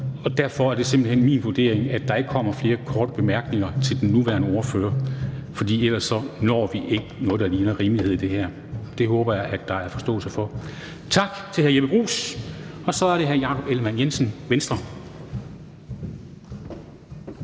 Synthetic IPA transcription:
ɒ̽d̥æɐfɒ̽æɐd̥e̝se̝mb̥l̩hen̰mḭːnʋud̥e̝̰ɐeŋæd̥ɑ̈e̝ɡ̥əkʰɒ̽m̰ɐfle̝ːɐkʰɒːd̥əb̥e̝mæɐɡ̥ne̝ŋɐt͡sʰe̝ld̥enːuʋæɐnəɔɐfø̰ːɐfɒ̽d̥ḭːelɐsːɒ̽nɒ̰ːʋiʔe̝ɡ̥ənɔ̽ːð̞ˠd̥ɑliːnɐʁiːmlihe̝ð̞̰ˠd̥e̝ɦæɐ̰ | d̥e̝ɦɔːb̥ɐjɑ̈ɪʔæd̥ɑ̈æɐfɒ̽sd̥ɔ̰ːl̩səfɒ̽ | t͡sʰɑ̈ɡ̥t͡sʰe̝lhæɐjebəb̥ʁṵːs | ɒ̽sɒ̽æɐɾe̝ɦæɐjɑ̈ːkʰɒ̽b̥elmænjensən̩ʋensd̥ʁɐ

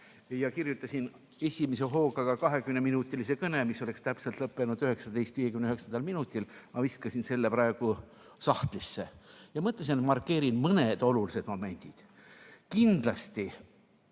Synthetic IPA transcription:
jɑkirjut̪ːˑɑsin | e̞sʲimes̬e̞ɦo̞ːɡɑɡ̥ɑkɑɦe̞kymne̞minut̪ʲːˑilise̞kɤne̞misːo̞le̞kst̪æpselt̪lɤpːˑe̞nud̪yhe̞ksɑd̪e̞jst̪viːje̞kymnyhe̞ksɑnd̪ɑlminut̪ʲːˑilmɑviskɑsinse̞lːe̞pɾɑe̞ɡ̥u | sɑht̪lisːejɑmɤt̪ːˑles̬inmɑrkːˑe̞ːɾinmɤne̞d̪̥o̞lulise̞d̪mo̞me̞nʲd̪̥id̪̥ | kind̪̥lɑst̪i

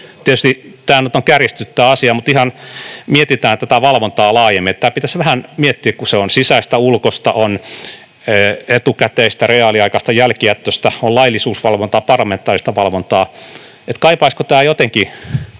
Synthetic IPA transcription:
t̪iet̪yst̪it̪æːnyt̪oŋkærist̪yt̪ːæːɑsiɑmut̪ihɑnmiet̪it̪æːnt̪æt̪æʋɑlʋont̪ɑːlɑːjemːiet̪t̪æːpit̪æsʋæhænmiet̪ːiːkkuseonsisæist̪æulkost̪ɑ̰ʔon | øːet̪ukæt̪eist̪æreɑliɑikɑst̪ɑjælkiæt̪ːøst̪æollɑilːisuːsʋɑlʋont̪ɑːpɑrlɑment̪ːˑɑːrist̪ɑʋɑlʋont̪ɑː | et̪kɑipɑiskot̪æːjot̪eŋki

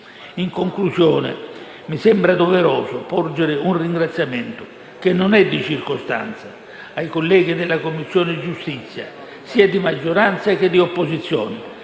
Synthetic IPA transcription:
iŋkoŋklusjɔːnɪ̰ | misɛmbɾad̪ɔvɛɾɔːsʊpɔrd͡ʒɪɾɪunriŋɡɾat̪sːjamɛnt̪ʊ | k̟ɪnːɔnɛd̪ːit͡ʃirkʊst̪a̰nt̪sa | ajkolːɛːɡid̪ɪlːakomːisːjɔːnɪd͡ʒust̪it̪sːja̰ | siːad̪imad͡ʒːoɾant̪sak̟ɪd̪ːiopːosit̪sːjɔ̰ːnɪ

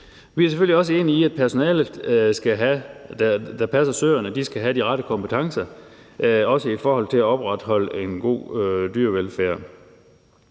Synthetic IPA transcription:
ʋiæɐs̬eføl̰liɒ̽s̬əe̝ːniiæd̥̚pʰæɐso̝nɛ̰ːlð̩ˠsɡ̥æɦæd̥æd̥æpʰæsɐsø̰ːɐnəd̥isɡ̥æɦæd̥iʁɑɾəkʰɒ̽mpʰət͡sʰɑ̈ŋsɐ | ɒ̽səifɒːɦɒ̽l̰t͡sʰe̝læɒ̽b̥ʁɑd̥ɦɒ̽l̰əe̝nɡ̥o̝̰ːd̥yɐʋelfæːɐ̰

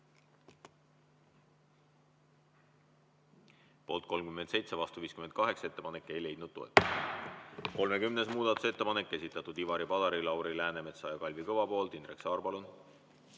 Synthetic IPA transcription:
po̞ːlt̪̚ko̞lmkyment̪se̞jt̪se̞vɑst̪uviːskyme̞nt̪̚kɑɦe̞kse̞t̪ːe̞pɑnekːˑe̞jle̞jd̪̚nud̪̥̚t̪o̞ḛt̪ːˑu̥s | ko̞lme̞kymne̞s̬muːd̪̥ɑt̪ːˑu̥se̞t̪ːepɑne̞kːe̞sit̪ːˑɑt̪ːˑud̪̥ivɑɾipɑd̪̥ɑɾilɑwɾilæːne̞met̪sɑjɑkɑlʲvikɤvɑpo̞ːlt̪inreksɑːrpɑlun

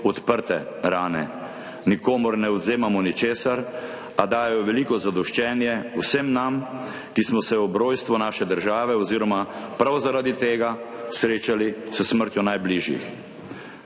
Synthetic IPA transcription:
ɔt̪pəɾt̪ɛɾaːnɛ̰ | nikoːmɔɾnɛɔd̪zeːmamɔnit͡ʃeːsaɾ | ad̪aːjɛjɔʋɛliːkɔzad̪ɔʃt͡ʃɛːnjɛwsəmnam | kismɔsɛɔbɾoːjst̪ʋɔnaːʃɛd̪əɾʒaːʋɛɔziːɾɔmapɾawzaɾad̪it̪eːɡasɾeːt͡ʃalisəsməɾt̪jɔnajbliːʒjḭx

